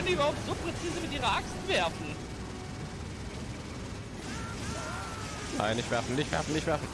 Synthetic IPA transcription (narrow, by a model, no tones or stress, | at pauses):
ndiːyːbɐhaʊp̚tz̥oːpʁ̥ɛt͡siːzəmɪtʔiːʁɐʔakstv̥ɛɐfn̩ | na̰ɪnɪçv̥ɛɐfənɪçtv̥ɛ̰ɐfn̩nɪçtvɛɐfn̩